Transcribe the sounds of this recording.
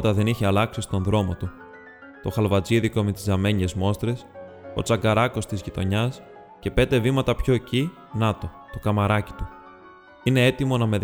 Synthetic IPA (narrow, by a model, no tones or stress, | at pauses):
t̪ɐðe̞niçeɐlɐksist̪o̞nðɾo̞mo̞t̪u | t̪o̞xɐlvɐt͡siðiko̞met̪izɐme̞ɲe̞zmo̞st̪ɾe̞so̞t͡sɐŋɡɐɾɐko̞st̪izʝit̪o̞ɲɐs | ce̞pe̞nd̪e̞vimɐt̪ɐpço̞eci | nɐt̪o̞t̪o̞kɐmɐɾɐci̥t̪u | ine̞e̞t̪imo̞nɐme̞